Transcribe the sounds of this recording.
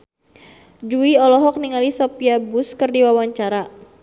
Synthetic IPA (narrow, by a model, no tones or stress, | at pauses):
d͡ʒuiɔlɔɦɔk̚niŋalisɔpiabuskərdiwawaɲt͡ʃaɾa